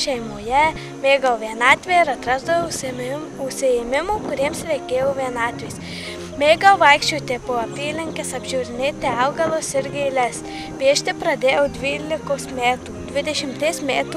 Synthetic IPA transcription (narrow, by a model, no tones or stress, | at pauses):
ʃʲɛɪmoːjɛ | mʲeːɡɐʋʲiɛnɑːt̪ʲʋʲeːɪɾɐt̪ɾɑzd̪ɐʋo | ʊʃʲsʲɪemʲɪmuːkʊɾʲiɛmsʋʲɛɪkʲeːjoːʋʲiɛnɑːt̪ʲʋʲeːs | mʲeːɡɐwʋɐɪkʃʲt͡ʃʲuːt̪ʲepoɐpʲiːlʲɪŋʲkʲɪsɐbʲʒʲuːɾʲɪnʲeːt̪ʲɪɑʊɡɐlˠosɪɾɡʲɛɪlʲɛs | ʋʲiɛʃʲt̪ʲɪpɾɐd̪ʲeːjoːd̪ʲʋʲiːlʲɪkoːsmʲæːt̪uːd̪ʲʋʲɪd̪ʲɛʃʲɪmt̪esmʲæːt̪u